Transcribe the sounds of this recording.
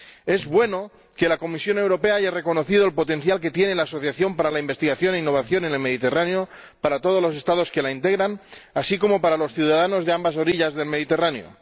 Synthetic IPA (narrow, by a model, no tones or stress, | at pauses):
e̞zβwe̞no̞ | ke̞lako̞misjo̞ne̞wɾo̞pe̞aaʝare̞ko̞no̞θið̞o̞elpo̞t̪e̞nθjalk̬e̞t̪je̞nelaːso̞θjaθjo̞mpaɾalaimbe̞st̪iɣaθjo̞neinːo̞βaθjo̞nene̞lme̞ð̞it̪e̞raneo | paɾat̪oð̞o̞zlo̞s̬e̞st̪að̞o̞ske̞laint̪e̞ɣ̞ɾanasiko̞mo̞paɾalo̞sθjuðaðano̞zðe̞ambas̬o̞ɾiʎazðe̞lmeðit̪e̞raneo̰